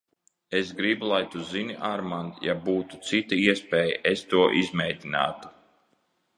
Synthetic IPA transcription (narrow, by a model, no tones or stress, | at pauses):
esɡɾibulˠajt̪uzinʲiʔaɾmand̪jabuːt̪u̥t̪sit̪aiɛspɛːja̰ʔest̪uɔʔizmɛjd̪ʲina̰ːt̪u̥